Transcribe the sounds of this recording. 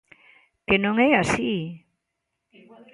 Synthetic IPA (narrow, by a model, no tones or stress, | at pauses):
kenõŋɛasi